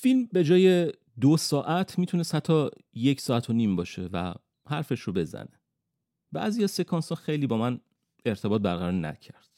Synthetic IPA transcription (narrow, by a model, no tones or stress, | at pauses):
filmbe̞d͡ʒɒːje̞ | d̪osɒːʔæt̪ʰmiːt̪ʰune̞st̪hæt̪ʰːɒː | jecʰsɒːæt̪ʰoniːmbɒːʃe̞væ̰ | hæɾfe̞ʃɾobe̞zæ̰ne̥ | b̥æ̰ːzijɒzse̞kʰɒːnsɒːxe̞jliːbɒːmæn | e̞ɾt̪ʰe̞bɒːt̪̚bæɾɣæɾɒːɾnæ̰cʰæɾd̪̥